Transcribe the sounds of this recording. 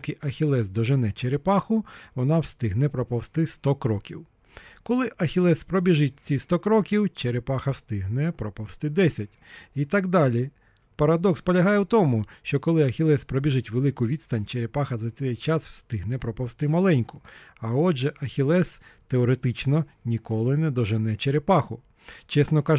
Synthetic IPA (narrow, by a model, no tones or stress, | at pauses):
kɪʔɐxʲilˠɛsd̪ɔʒɪnɛt͡ʃeɾepɑxʊʋɔnɑwst̪ɪɦnɛpɾɔpɔwst̪ɪst̪ɔkɾɔkʲiw | kɔlˠɪʔɐxʲilˠɛspɾɔbʲiʒɪt̚ʲt͡sʲist̪ɔkɾɔkʲiwt͡ʃeɾepɑxɐwst̪ɪɦnɛpɾɔpɔwst̪ɪd̪ɛsʲɐtʲit̪ɑɡd̪ɑlʲi | pɐɾɐd̪ɔkspɔlʲɐɦɑjɛwt̪ɔmʊʃt͡ʃɔkɔlˠɪɐxʲilˠɛspɾɔbʲiʒɪtʲʋelˠɪkʊʋʲid̪st̪ɐnʲt͡ʃeɾepɑxɐzɐt͡sʲɛjt͡ʃɑswst̪ɪɦnɛpɾɔpɔwst̪ɪmɐlˠɛnʲkʊɐɔʒɛʔɐxʲilˠɛst̪eɔɾet̪ɪt͡ʃnɔnʲikɔlˠɪnɛd̪ɔʒɪnɛt͡ʃeɾepɑxʊ | t͡ʃɛsnɔkɑʒ